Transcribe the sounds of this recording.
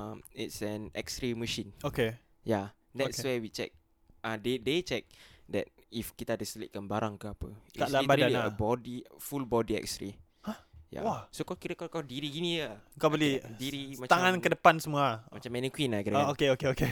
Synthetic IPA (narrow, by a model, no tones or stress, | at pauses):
amḭtsɛnɛ̰kstɾiməʃĩnoke | ja | dɛtswɛwit͡ʃɛ̰k̚ | adedet͡ʃɛk̚dɛ̰t̚ | ifkit̪aːdasəlḭʔ̚kanbaɾaŋkəapəikaʔlabadaiəbɔdifulbɔdiɛ̰k̚stɾi | aja̰asokakiɾəkakadiɾiɡinijəpɔbəlidiɾimãt͡ʃt̪aŋãnkədəpansəmũamat͡ʃãmɛ̃nikwinakiɾaɡaokeokeoke